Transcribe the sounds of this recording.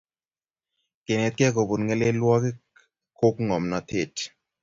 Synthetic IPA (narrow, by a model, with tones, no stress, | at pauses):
ke˨ne˨t̪̚kɛ˦ko˨bu˨nŋe˦le˦lwɔ˦ke˦ | ko˦kŋɔ˨mnɔ˨t̪ʰe˦˨t